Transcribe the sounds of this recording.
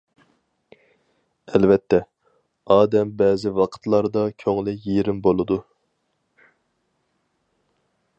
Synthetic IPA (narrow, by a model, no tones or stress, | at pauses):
ɛlvɛt̪ʰːɛ | ɑːd̪ɛmbɛːzɪvɑqʰə̥t̪lˠɑɾd̪ɑkʲʰøŋlɪjeɾɪmbolˠɨd̪u